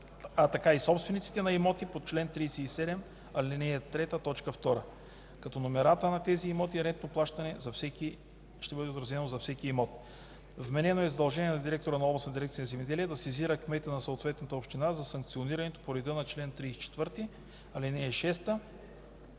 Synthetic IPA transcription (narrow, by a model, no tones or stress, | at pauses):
ɐt̪ɐkaisɔpst̪vɛnit̪si̥t̪ɛnɐimɔt̪ipot̪t͡ʃlɛnt̪ɾijsɛisɛd̪ɛm | ɐlʲinɛɛt̪ɾɛt̪ət̪ɔt͡ʃkəft̪ɔɾə | kɐt̪ɔnomɛɾat̪ənɐt̪ɛziːmɔt̪iɾɛnt̪noplˠaʃt̪ɐnɛzɐfsɛki | ʃt̪ɛbɤd̪ɛot̪ɾɐzɛnozɐfsɛkiːmɔt̪ | vmɛnɛnoɛzɐd̪ɐlˠʒɛniɛnɐd̪iɾɛk̚t̪oɾənɐɔblˠɐsnd̪iɾɛkt̪siənzɛmɛd̪ɛliɛd̪ɐsiziɾəkmɛt̪ənɐsoot̪vɛt̪nɐt̪əopʃt̪inazɐsɐŋk̚t̪sioniɾɐnɛt̪o̥poɾɛd̪inɐt͡ʃlɛnt̪ɾiːsi̥t͡ʃɛ̥t̪vɤɾt̪i | ɐlinɛːʃɛst̪ə